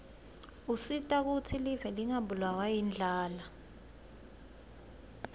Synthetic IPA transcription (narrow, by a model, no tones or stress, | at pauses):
usitʼak̬utʰilivɛliŋabulawajind͡ɮʱaːla